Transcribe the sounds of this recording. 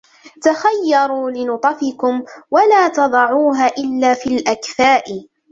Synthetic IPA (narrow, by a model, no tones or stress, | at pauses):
t̪axajːɑɾˤuːlɪnʊt̪ˤɑfɪkʊmwalaːt̪ɑd̪ˤɑʕuːɦaːʔɪlːaːfiːlʔakfaːʔɪ